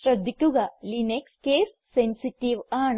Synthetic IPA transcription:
ɾɐd̪ʱːikuɡɐlinekskeːsːensiʈiʋaːɳ

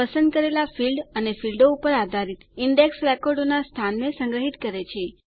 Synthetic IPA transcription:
əsə̃nd̪̚kəɾelafilɖənefilɖoupəɾad̪ʱaɾit̪iɳɖeksɾɛkoɾɖonast̪ʰanːesə̃ŋɡɾəɦit̪kəɾet͡ʃʰe

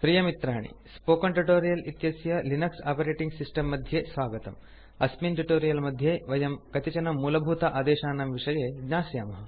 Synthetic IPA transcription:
pɾijɐmit̪ɾaːɳḭ | spoːkɐɳʈuʈoːɾijɐlit̪jɐsjɐlinɐksaːpɐɾeːʈiŋɡsisʈɐmːɐd̪ʱjeːsʋaːɡɐt̪ɐm | ɐsminʈuʈoːɾijɐlmɐd̪ʱjeːʋɐjɐmkɐt̪it͡ʃɐnɐmːuːlɐbʱuːt̪ɐʔaːd̪eːʃaːnɐmʋiʂɐjeːɡɲaːsjɐːmɐɦɐ

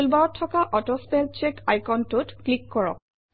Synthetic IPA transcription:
lbaɹɔtʰːɔkaʔɔtɔspɛlt͡ʃekajkɔntutklikːɔɹɔ̰k̚

